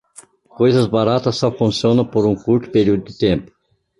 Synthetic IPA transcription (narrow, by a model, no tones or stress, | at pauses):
kojzɐzbaɾat̪ɐsːɔfũsiõnɐ̃poɾũkuɾt̪ʊ̥peɾiud̪ʊd̪ɪt̪ẽmpʊ̥